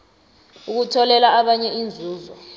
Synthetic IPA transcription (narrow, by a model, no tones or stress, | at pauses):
uk̬utʰɔlɛlaaɓaɲɛind͡zʱuːzɔ